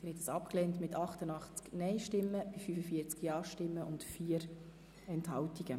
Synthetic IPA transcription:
ɪɾɛtsɑpklɛːntmɪtʰɑχtənɑχt͡sknɛɪʃtɪmːəbifyfəfiəɾt͡skjɑːʃtɪmːəʔʊntfiːəɾ | ɛnthɑltiɡ̥ə

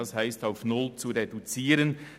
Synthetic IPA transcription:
ɑshaɪstaʊfnʊlt͡suɾedut͡siːɾən

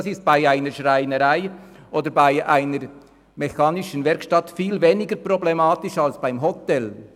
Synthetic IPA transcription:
sɪst̚b̥aɪaɪnəɾʃʁaɪnəɾaɪ | ʔoːd̪əɾbaɪʔaɪnəɾ | mɛçɑːnɪʃən̩vɛɾkʃtɑtfiːlveːnɪɡəprɔblɛmɑːtɪʃɑlsb̥aɪmɦɔt̪ɛl

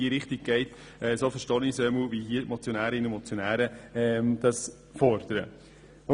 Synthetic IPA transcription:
iːɾɪχt̪iɡ̥̚ɡ̥ɛɪt | ɛːsofəʃtɑːnisœməʋihiəmɔt͡sjonæːɾɪnəmɔt͡sjonæːɾəɛmd̪̥ɑs | fɔɾd̥̪əɾə̰

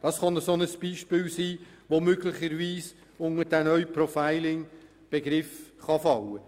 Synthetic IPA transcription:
d̥ɑsχɑnəsonəsb̥iːʃpɪːlsiː | ʋomøɡlɪχəɾviːs | ʊŋədænœʏprɔfæɪlɪŋ | b̥eɡɾɪfχɑfɑlə

